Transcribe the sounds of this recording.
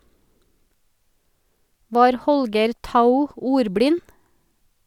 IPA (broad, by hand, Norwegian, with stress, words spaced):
ˈʋɑːɾ ˈhɔlɡəɾ ˈtaʊ ˈuːɾˌbɽɪn